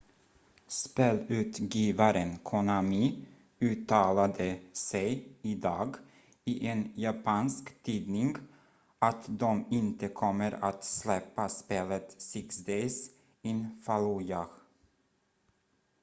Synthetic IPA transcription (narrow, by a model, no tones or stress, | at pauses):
speːlʉ̟ːt̪ɡiːvaɾənkʰɔnami | ʉ̟ːt̪ʰːɑːlad̪əsɛjɪd̪ɑːɡ | ɪʔenjapʰɑːnskt̪ʰiːd̪nɪŋɡ | ʔat̪d̪ɔmɪnt̪əkʰɔmːəɾa̰t̪slɛpːaspeːlət̪sɪksd̪es | ɪnfaluja